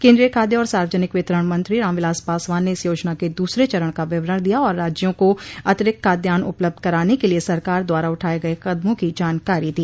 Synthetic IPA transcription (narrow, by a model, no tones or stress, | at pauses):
kẽːnd̪ɾijəkʰaːd̪jeɔːɾsaːɾʋəd͡ʒənɪkʋɪt̪ɾəɽ̃mɐ̃nt̪ɾiɾãːmʋɪlaːspaːsʋaːnːeɪsjoːd͡ʒnaked̪uːsɾet͡ʃɐɾəɽ̃kaʋɪʋɾəɽ̃d̪ijaɔːɾːaːd͡ʒjõkoɐt̪ɪɾɪkkaːd̪jaːnʊ̰pləb̚d̪̚ʱkɐɾaːnekeliesɐɾkaːɾd̪waːɾaʊʈʰaːeɡɐekɐd̪mõkid͡ʒaːnkaːɾid̪iː